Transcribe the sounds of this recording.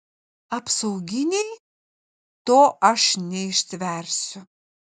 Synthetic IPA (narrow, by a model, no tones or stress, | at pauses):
ɐpsɐʊɡʲɪnʲɛj | t̪oːʔɐʃnʲɛɪʃʲsʲʋʲɛɾʲsʲʊ